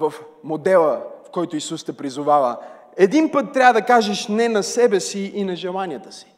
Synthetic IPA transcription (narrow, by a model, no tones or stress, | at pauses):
vɐfmod̪ɛlˠəfkɔjt̪ʊisust̪ɛpɾizʊvavə̰ | ɛd̪inpɤt̪ːɾʲavɐəd̪ɐkaʒɛʃnɛnɐsɛbɛsiinɐʒɛlˠanijət̪ə̥si̥